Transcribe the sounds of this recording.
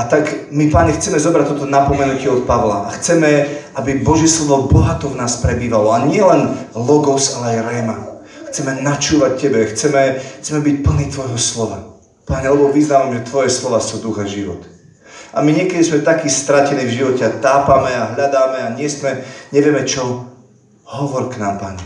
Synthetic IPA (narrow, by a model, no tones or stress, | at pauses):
at̪aɡmipaɲɛxt͡sɛmɛzɔbɾac̚t̪ɔt̪ɔnapɔmɛnucɪɛɔt̪̚paʋlaʔaxt͡sɛmɛabibɔʒɪɛslɔʋɔbɔɦat̪ɔvnaːspɾɛbiːʋalɔaɲɪɛlɛnlɔɡɔsalɛajɾɛma | xt͡sɛmɛnat͡ʃuːʋac̚cːɛbɛxt͡sɛmɛxt͡sɛmɛbic̚pl̩niːt̪ʋɔjɦɔslɔʋa | paɲɛlɛbɔʋiznaːʋamʒɛt̪ʋɔjɛslɔʋaːsud̪uɣɛʒiʋɔ̰t̪ | amiɲɪɛkɛd̪izmɛt̪akiːst̪ɾacɛnivʒiʋɔcɛat̪aːpamɛaɦʎad̪aːmɛaɲɪɛsmɛɲɛʋɪjɛmɛt͡ʃɔ | ɦɔʋɔɾknaːmpaɲɛ